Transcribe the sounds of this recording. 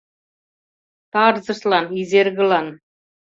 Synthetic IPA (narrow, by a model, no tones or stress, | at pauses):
t̪ɑɾzɤ̆ʃlˠɑnizeɾɡə̆lˠɑn